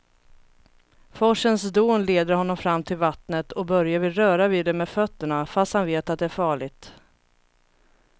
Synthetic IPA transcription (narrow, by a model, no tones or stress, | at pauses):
fɔʂənsd̪umleːd̪əɾhɔnːɔmfɾamːt̪ʰɪlvat̪nət̪ʰɔbœɾjavɪlɾœːɾaviːd̪ɛmɛfœt̪ːəɳafast̪hanveːt̪at̪̚d̪ɛæɾfɑːɭɪɡt̪